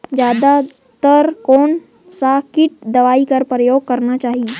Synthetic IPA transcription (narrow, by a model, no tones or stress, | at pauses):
d͡ʒjaːd̪a | t̪əɾkoːn | sakɪʈ̚d̪ɐʋaːikɐɾpɾəjoːɡ̚kɐɾnat͡ʃaːɦi